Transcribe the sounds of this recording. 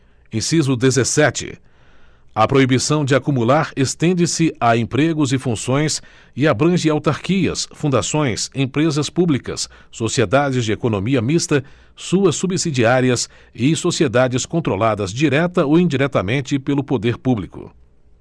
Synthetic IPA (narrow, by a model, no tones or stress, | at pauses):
ẽsizʊd̪ezesɛt͡ʃɪ̰ | ɐpɾoibisɐ̃w̃d͡ʒɪakumulaɾest̪ẽnd͡ʒɪsɪaẽpɾeɡʊzɪfũsõj̃s | ɪabɾɐ̃ʒɪawt̪aɾkiɐ̰sfũd̪asõj̃sẽpɾezɐspublikɐ̰sː | osied̪ad͡ʒɪzd͡ʒɪekonõmiɐmist̪ɐ | suɐsːubisid͡ʒiaɾiɐs | ɪsosied̪ad͡ʒɪskõnt̪ɾolad̪ɐzd͡ʒiɾɛt̪ɐoĩd͡ʒiɾɛt̪ɐmẽnt͡ʃɪpelʊpod̪eɾpublikʊ̰